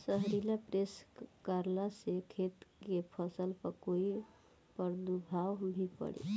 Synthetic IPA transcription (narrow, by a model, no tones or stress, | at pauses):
səɦɾilapɾeskaɾlasekʰet̪kepʰəsəlpəɾkoi | pəɾd̪ubʱawbʱipə̰ɽḛ